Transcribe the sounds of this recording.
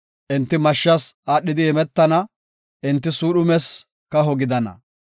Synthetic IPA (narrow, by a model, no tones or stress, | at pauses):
ʔɪnt̪ːɪmɐʃːɐsaːɗːɪd̪ɪɛmɛt̪ːɐnɐ | ʔɪnt̪ːɪsuːɗʊmɛs | kɐɦɔɡɪd̪ɐnɐ̰